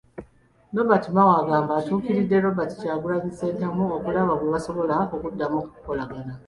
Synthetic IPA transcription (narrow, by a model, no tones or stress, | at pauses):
no̞batimawaɡaːmbaːtuːkiɾidːe̞ɾo̞bati̥caːɡulaɡisedamuokulaβakweβaso̞βo̞laokudːamokukukolaɡana